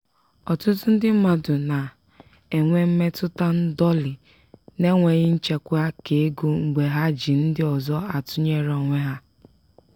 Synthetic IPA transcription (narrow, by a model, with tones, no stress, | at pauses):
ɔ˨tʊ˦tʊ˦n̩˦dɪ˦m̩˦ma˨dʊ˨na˨ | e˨ŋʷe˦m̩˦me˦tʊ˦ta˦n̩˦dɔ˦lɪ˨ | ne˦ŋʷe˨ɣɪ˦n̩˦t͡ʃe˨kʷa˦ke˨e˦ɡu˦ŋ͡m̩˨ɡ͡be˨ɦa˦d͡ʒi˨n̩˦dɪ˦ɔ˨zɔ˦a˨tʊ˦ɲe˦ɾɔ˨ŋʷe˦ɦa˦